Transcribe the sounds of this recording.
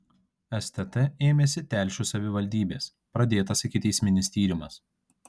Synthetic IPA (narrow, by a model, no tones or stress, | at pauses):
ɛst̪ʲɛt̪ɛeːmʲeːsʲɪt̪ʲæˑlʲʃʲuːsɐʋʲɪʋɐlʲd̪ʲiːbʲeːs | pɾɐd̪ʲeːt̪ɐsɪkʲɪt̪ʲɛɪsʲmʲɪnʲɪsʲt̪ʲiːɾʲɪmɐs